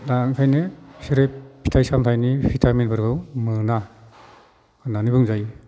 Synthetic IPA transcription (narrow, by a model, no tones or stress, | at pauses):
laŋtʰajnesiɾepʰi̥tʰajsamtʰajnipʰitʰamenbɯɾɡɯwmɯna | kʰɯnanibɯŋzaj